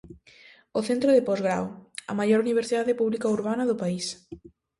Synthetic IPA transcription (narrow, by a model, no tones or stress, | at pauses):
ʊθent̪ɾʊðɪpɔzɣɾa̰wɐ̰majɔɾuniβ̞eɾsiðaðɪpuβlikauɾβanɐðʊpais